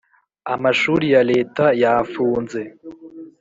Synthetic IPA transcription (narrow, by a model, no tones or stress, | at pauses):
amaʃuːɾijaɾe̞ːtajafuːnze̞